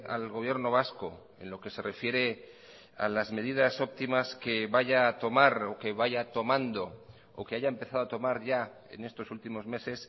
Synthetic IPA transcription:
a̰lɣo̞β̞je̞ɾno̞β̞asko̞ | e̞̰nlo̞ke̞se̞rʔe̞fje̞ɾe̞ | a̰lazme̞ð̞iðaso̞p̚t̪imaske̞βaʝaːt̪o̞maɾoke̞βaʝat̪o̞mãnd̪o̞ | o̰ke̞aʝaempe̞θað̞oat̪o̞maɾʝa | e̞̰ne̞st̪o̞sult̪imo̞zme̞se̞s

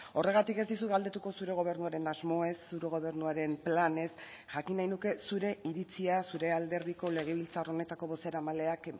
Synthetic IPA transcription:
o̞re̞ɣat̪ike̞zd̪is̬uɣald̪e̞t̪uko̞suɾe̞ɣ̞o̞β̞e̞ɾnuaɾe̞nazmo̞e̞sːuɾeɣ̞o̞β̞e̞ɾnuaɾe̞mplane̞s | ʝakinajnuke̞suɾe̞iɾit͡siasuɾe̞ald̪e̞ɾð̞iko̞le̞ɣ̞e̞β̞ilt͡saro̞ne̞t̪ako̞βo̞se̞ɾamale̞ak

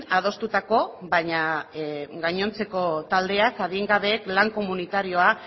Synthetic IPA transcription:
að̞o̞st̪ut̪ako̞βaɲa | ɡajɲo̞nt͡se̞ko̞t̪ald̪e̞akaðiŋɡaβe̞ːklaŋko̞munit̪aɾio̞a

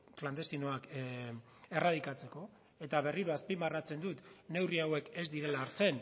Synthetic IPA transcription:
kland̪e̞st̪ino̞ak | e̞raðikat͡se̞ko̞ | e̞t̪aβ̞e̞riɾoaspimarat͡se̞nd̪ut̪ne̞wriawe̞ke̞zd̪iɾe̞laːɾt͡se̞n

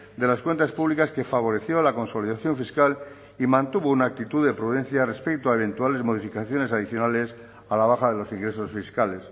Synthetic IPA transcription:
d̪e̞laskwe̞nt̪aspuβlikaskefaβ̞o̞ɾe̞θjo̞lako̞nso̞liðaθjo̞ɱfiskal | imãnt̪uβounaːk̚t̪it̪uðe̞pɾuðẽ̞n̟θjare̞spek̚t̪oae̞β̞ẽ̞nt̪uale̞zmo̞ð̞ifikaθjo̞ne̞saðiθjonale̞s | alaβ̞axaðelo̞siŋɡɾe̞sosfiskale̞s

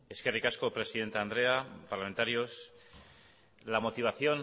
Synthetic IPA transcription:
e̞skerikasko̞pɾe̞siðe̞nt̪and̪ɾe̞apaɾlame̞nt̪aɾjo̞s | lamo̞t̪iβ̞aθjo̞n

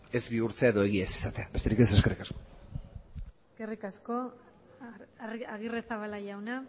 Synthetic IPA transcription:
e̞zbiuɾt͡seaeðo̞e̞ɣ̞iesi̥sat̪e̞abe̞st̪e̞ɾike̞se̞ske̞rikasko̞ | eske̞rikasko | aɣiresaβalaʝawna

